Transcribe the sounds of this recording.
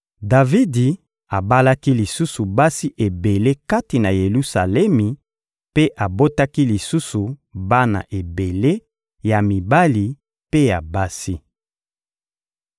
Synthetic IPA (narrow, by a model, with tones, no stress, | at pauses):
da˨vi˦di˨ | a˨ba˦la˦ki˦li˨su˦su˨ba˦si˦ʔe˨be˨le˦ka˦ti˨na˨je˨lu˦sa̰˨lɛ˦mi˨ | pe˦ʔa˨bo˦ta˦ki˦li˨su˦su˨ba˦na̰˨ʔe˨be˨le˦ | ja˨mi˨ba˦li˨ | pe˦ja˨ba˦si˦